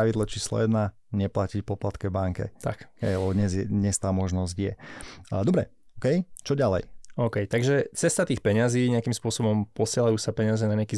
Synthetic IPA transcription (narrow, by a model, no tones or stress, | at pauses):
aʋid̪lˠat͡ʃiːslɔ̰jɛd̪na | ɲɛplacicpɔplat̪kɛbaŋkɛ̰t̪a̰kɦɛjalɛbɔd̪ɲɛzjɛd̪ɲɛst̪aːmɔʒnɔzɟjɛd̪ɔbɾɛ | kɛjt͡ʃɔɟalɛ̰jɔʊkɛjt̪aɡʒɛt͡sɛst̪at̪iːxpɛɲaziːɲɪakiːmspʊɔsɔbɔmpɔsɪɛlajuːsapɛɲɪazɛnaɲɪakiː